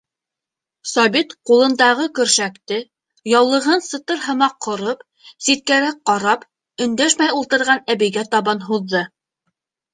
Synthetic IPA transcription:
sɑbit̪qulˠɤ̆nd̪ɑʁɤkɵ̆ɾʃækt̪ɘ | jɑwlˠɤ̆ʁɤnsɤ̆t̪ɤɾɦɤ̆mɑqʰːŏɾɤp | sit̪̚kæɾæk̚qːɑɾɑp | ɵ̆nd̪æʃmæjulˠt̪ɤ̆ɾʁɑnæβɘ̆jɡæt̪ɑβɑnɦuðːɤ

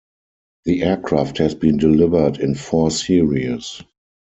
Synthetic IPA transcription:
ðiʔɛkʰɹafthɛzbĩːndɪlɪvə˞dɪ̃nfɔsiɹis

